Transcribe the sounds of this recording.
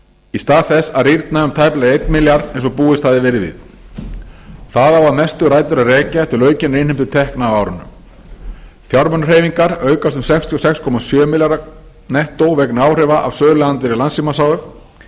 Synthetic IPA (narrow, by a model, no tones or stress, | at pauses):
ist̪aːðθɛsːaðriɾt̪naʏmt̪ʰajplaɣejt̪nmɪljaɾðẽnsɔpuːðɪst̪ʰaðɪvɛːɾɪðvɪ̰ð | θaðavaɾmɛst̪ʏɾaːjt̪ʏɾaðrɛːcat̪ʰɪlœːɥcɪnrejnhɪm̥t̪ʏ̥t̪ʰɛhknaːwaːwɾʏnːʏ̰m | fjaɾmœnr̥eːjviŋkaɾœːɥkast̪ʏmsɛkfst̪ʰiɔsɛkskʰɔmasjœːmɪljaɾa | nɛht̪owvɛknʏaːwr̥ɛvaʔa̰vsœːðlaðant̪vɛɾɪɾlansimasaːwʏf